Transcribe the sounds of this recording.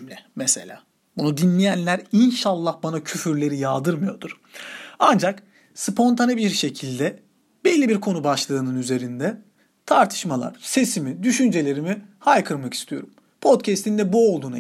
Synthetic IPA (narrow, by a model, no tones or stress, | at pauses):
lʲɛmese̞̰lʲa̰ː | bunud̪inlʲejænlʲæɾinʃalˠːahbanacʰyfyɾlʲe̞ɾijald̪ɯɾmɯjo̞d̪uɾ̥ | and͡ʒak | spʰo̞nt̪ʰanibiɾʃe̞cʰilʲd̪ɛ | bellːʲibiɾkʰo̞nubaʃlˠɯːnɯnyze̞ɾind̪ɛ | t̪ʰaɾt̪ʰɯ̥ʃmalˠa̰ɾ̥se̞simid̪yʃynd͡ʒe̞lʲe̞ɾimihajkʰɯɾmaki̥st̪ʰijo̞ɾum | pʰo̞t̪cʰɛst̪ind̪ɛbuo̞lˠd̪uːna